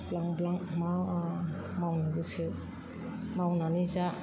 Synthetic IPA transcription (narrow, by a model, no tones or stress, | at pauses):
blaŋblaŋma | mawniɡɯse | mawnaniza